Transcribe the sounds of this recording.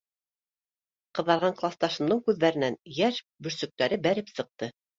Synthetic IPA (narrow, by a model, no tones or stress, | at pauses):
qɤ̆ðɑɾʁɑɴqlˠɑst̪ɑʃɤ̆md̪ɤɴkʉðːæɾɘ̆nænjæʃ | bɵ̆ɾsɵ̆k̚t̪æɾɘbæɾɘpsɤ̆q̚t̪ɤ